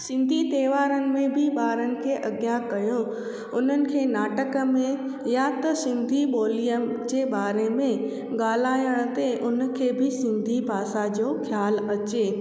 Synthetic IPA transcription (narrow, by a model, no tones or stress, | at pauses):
sɪ̃nd̪ʱit̪eːʋaːɾənɪ̆mẽbʱɪɓaːɾənɪ̆kʰeːʔɐɡjakɐjõ | ʊn̤ənɪ̆kʰeːnaːʈəkə̆mẽ | jat̪ɐsɪ̃nd̪ʱiɓoːlijəmd͡ʑeːbaːɾemẽ | ɠaːl̤aːjəɽ̃t̪eʔʊnə̆kʰeːbʱɪsɪ̃nd̪ʱibʱaːsad͡ʑoːkʰjaːlɐt͡ɕeː